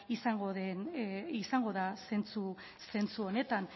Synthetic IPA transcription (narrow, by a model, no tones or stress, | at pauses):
isaŋɡoðenisaŋɡo̞ðase̞nt͡su | se̞nt͡suo̞ne̞t̪an